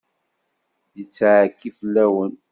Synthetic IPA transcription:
jət͡sːʕkːifəlːæwən

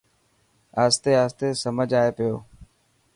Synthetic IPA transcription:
aːst̪eːaːst̪eːsəməd͡ʒaːeːpɪjoː

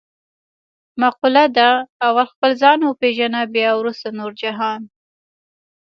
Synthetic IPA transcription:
maqulad̪aːwalxpəlzɑnwəpeʒanabjɑwɾust̪anoɾd͡ʒaɦɑn

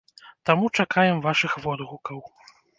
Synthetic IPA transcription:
t̪amut͡ʂakʰajɛmvaʂɨxvɔd̪ɣukɐw

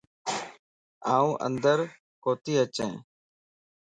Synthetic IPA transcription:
aːũːʔə̰nd̪əɾ | koːt̪iːət͡ʃḛ̃ː

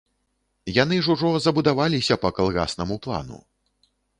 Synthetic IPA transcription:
janɨʐuʐɔzɐbud̪avalʲisʲɐpɐkalˠɣa̰snɐmuplˠa̰nṵ

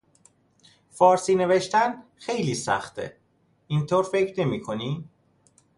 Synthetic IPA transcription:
fɒːɾsiːne̞veʃt̪ænxe̞jliːsæ̰xt̪ʰḛ | int̪ʰoːɾfe̞cʰɾne̞miːkʰo̞niː

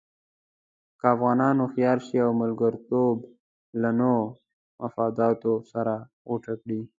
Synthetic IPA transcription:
kaafɣɑnɑnoxijɑɾʃiawmʊlɡəɾt̪ob | lano | mafɑd̪ɑt̪osaɾa | oʈʰakɽi

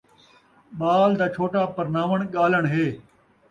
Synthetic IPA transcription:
ɓaːld̪aːt͡ʃʰoːʈaːpɐɾnaːʋəɳ̃ɠaːləɳ̃ɦeː

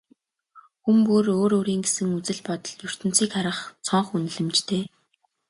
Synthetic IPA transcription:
xumpuroːɾoːɾiːŋɡesɘ̆ŋut͡sɘ̆ɮpɔt̪ɞ̆ɮjɵr̥t̪ɘ̆n̥t͡siːkχaɾə̆χt͡sʰɔɴχun̆ɮɘ̆mt͡ɕt̪ʰeː

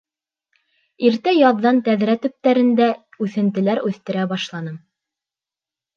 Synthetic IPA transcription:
iɾt̪æjɑðːɑnt̪æðɾæt̪ɵ̆p̚t̪æɾɘ̆nd̪æ | ʉθɘ̆nt̪ɘ̆læɾʉθt̪ɘ̆ɾæbɑʃlˠɑnɤm

